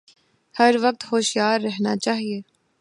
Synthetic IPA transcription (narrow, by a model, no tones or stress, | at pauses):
hɐɾʋɐk̚t̪hoːʃijaːɾːɛɦnat͡ʃaːɦieː